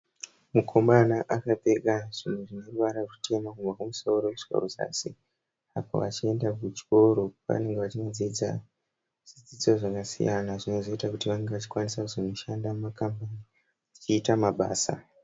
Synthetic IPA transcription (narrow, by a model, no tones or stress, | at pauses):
mukʰombanaʔakabʱe̞ɡaʐ̥in̤uʐine̞rʋaɾaʐute̞makumvakumusouɾokut͡ʃiko̰roza̰sḭ | apo̰ʋa̰t͡ʃie̞ndakut͡ʃi̥ko̞ɾo̞ʋa̰ne̞ŋɡeʋat͡ʃinod͡zid͡za | ʐid͡zid͡zoʐakasḭjanaʐino̞zo̞itakutiʋane̞ŋɡeʋat͡ʃi̥kwanisakuzin̤oʃandammakampani | it͡ʃiːtamaɓa̰ːsa̰